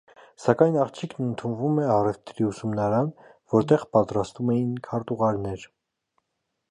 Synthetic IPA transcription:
sɑkɑjnɑχt͡ʃʰikʰnənt̪ʰunvumɛɑrɛft̪ɾiusumnɑɾɑnvɔɾt̪ɛʁpɑt̪ɾɑst̪vumɛjinkʰɑɾt̪uʁɑɾnɛɾ

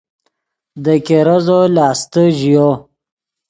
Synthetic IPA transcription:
d̪əkeɾazolɑːst̪əʒijo

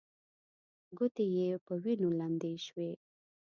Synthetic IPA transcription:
ɡʊt̪ejepəwinoland̪eʃwe

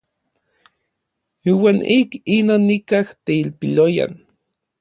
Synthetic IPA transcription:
iːwaːnikinonːikaht̪eilpiloja̰n

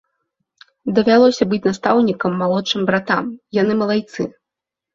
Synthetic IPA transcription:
d̪ɐvʲalˠɔsʲɐbɨt͡sʲnast̪awnʲikɐmːalˠɔt͡ʂɨmbɾat̪amjanɨmɐlˠajt̪sɨ

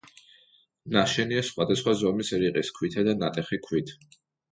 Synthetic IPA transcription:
naʃɛniasχwad̪asχwazɔmisɛɾiqʼiskʰwit̪ʰad̪anat̪ʼɛχikʰwit̪ʰ

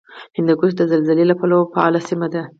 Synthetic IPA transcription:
hɪnd̪aɡuʃd̪əzalzalelapalofaɑlasimad̪a

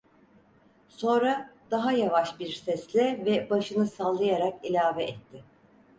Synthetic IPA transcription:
sõ̞nɾad̪̥aɦajavaʃbiɾsɛslʲɛvɛbaʃɯnɯsalˠːajaɾakilʲaːvɛʔɛt̪ʰːɪ

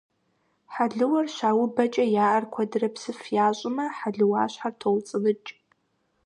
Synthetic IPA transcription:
ħaɮɨwɐrɕaːwʊbɐt͡ʃʼɐjaːʔɐrkʷʰɐdɨrɐpsɨfjaːɕʷʼɪmɐħaɮɨwa̰ːɕħartʰowt͡sʼɨlɨt͡ʃʼ

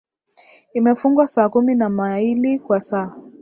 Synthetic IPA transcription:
imɛfuŋɡwasaːkuminamailikwasaː

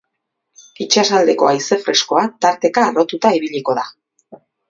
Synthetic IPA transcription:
it͡ʃasald̪e̞ko̞ajse̞fɾe̞sko̞at̪aɾt̪e̞kaːro̞t̪ut̪aiβiʎiko̞ða

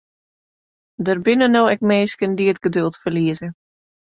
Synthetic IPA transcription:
dərbɪnənowɛkmeːskəndiətɡ̥ədølˠtfəliəzə

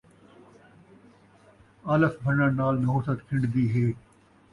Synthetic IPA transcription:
ɐləkbʱənənaːlnɐɦoːsət̪kʰɪ̃ɳɖd̪iːɦeː

